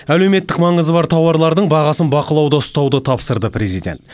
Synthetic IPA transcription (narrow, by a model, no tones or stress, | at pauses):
æle̞wme̞t̪ːɪkmɑɴəzəbɑɾt̪ʰɑwɑɾlˠɑɾd̪əɴbɑʁɑsənbɑqəlˠɑwd̪əʊst̪ɑwd̪ət̪ʰɑpsəɾd̪əpre̞zijd̪ʲe̞̰ntt̪